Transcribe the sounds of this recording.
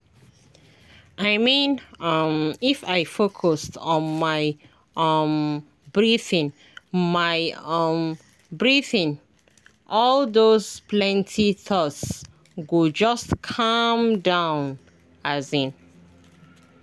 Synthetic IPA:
aɪmĩnʌmifaɪfokʰɔstɔ̃nmaɪ | ʔʌm | bɹiθĩn | maɪm | bɹiθĩn | ʔɔld̪ozplɛ̃ntʰiθɔts | ɡud͡ʒʌstkʰʌmdãʊ̃n | azĩn

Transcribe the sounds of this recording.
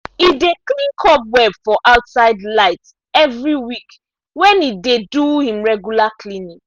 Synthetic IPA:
ideklĩŋkʰɔp̚wɛbfɔʔaʊtsaɪdlaɪt | ɛvɹiwik | wɛ̃nideduhĩmɹɛɡjulaklinik

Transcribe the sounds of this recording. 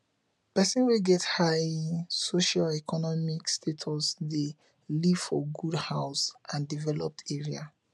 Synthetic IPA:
pɛsɛ̃nweɡɛthajsoʃalɛkʰɔnɔmikstʰetʰɔsde | liv̥fɔ̰ɡudhaʊsʔãndivɛlɔp̚tʰeɹia̰

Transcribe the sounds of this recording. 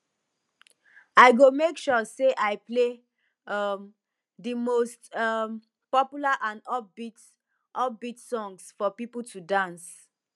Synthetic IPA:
aɪɡomekʃɔseʔaɪple | ʌm | dimostʌm | pɔpjulaʔãnɔbit | ʔɔbitsɔ̃ŋsfɔpipul̩tudãns

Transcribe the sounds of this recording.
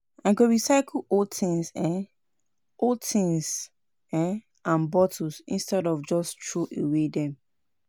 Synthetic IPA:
ãɡoɹisaɪkʰlotʰĩnsɛ̃ | otʰĩŋs | ɛ̃ | ãnbɔtʰosḭ̃nstɛdɔfd͡ʒɔstɹoʔewedɛ̃m

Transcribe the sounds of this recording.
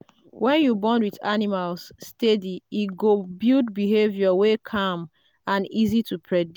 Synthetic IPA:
wɛ̃njubɔ̃ndwiða̰nimalsːtediiɡobildbiɦevjɔwekʰãm | ãnizitʰupʰɹɛd

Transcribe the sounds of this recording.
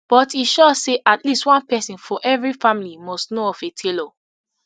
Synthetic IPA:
b̥ɔtiʃɔseʔatʰlistwɔ̃npɛsĩnfɔʔɛvɹifãmilimɔstnoɔfetʰelɔ

